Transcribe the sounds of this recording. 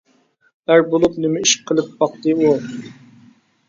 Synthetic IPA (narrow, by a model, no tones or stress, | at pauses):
æɾbolˠupnɪmɛiʃqʰəlˠɨp̚bɑq̚t̪ɨu